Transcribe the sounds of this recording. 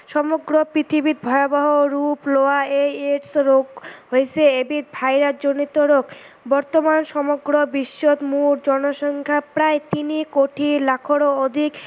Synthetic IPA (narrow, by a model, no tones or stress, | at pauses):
ʃɔmoɡɾopɾit̪ʰibit̪̚bʱɔeobaɦoɾuploaeeʈsɾoɡɦoet͡ɕʰeebit̪̚bʱajɾad͡ʑonit̪oɾok | bɔɾt̪omanʃɔmoɡɾobiʃːot̪muɾd͡ʑɔnoʃɔŋkʰapɾaet̪inikoʈʰilakʰoɾood̪ʱik